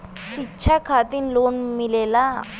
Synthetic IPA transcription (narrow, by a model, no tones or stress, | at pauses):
ɕitːɕʰakʰat̪inlonmilela